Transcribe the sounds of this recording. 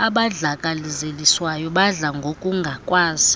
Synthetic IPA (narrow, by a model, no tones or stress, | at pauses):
aɓaɮakʼalizeliswajɔɓaɮaŋɡʱokʼuŋɡʱakʼwaːzi